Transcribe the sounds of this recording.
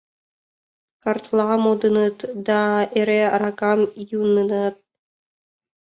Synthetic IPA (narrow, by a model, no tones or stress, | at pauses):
kɑrt̪lˠɑmod̪ɤnɤt̪d̪ɑeɾeɾɑkɑmjunɯnɤt̪̚